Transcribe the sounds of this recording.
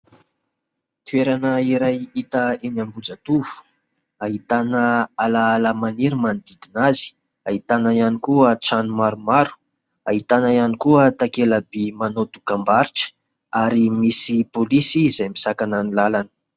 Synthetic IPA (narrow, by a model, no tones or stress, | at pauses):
t̪ueɾanəiɾajit̪əenambud͡zat̪uvu̥ | ait̪anəalaalamaniɾimand̪id̪inazi̥ | aɦit̪anaianikuəʈ͡ʂanumaɾumaɾu̥ | aɦit̪anajanikuət̪akelabimanot̪u̥kambaɾiʈ͡ʂə̥ | aɾimisipolisizajmisakananilalanə̥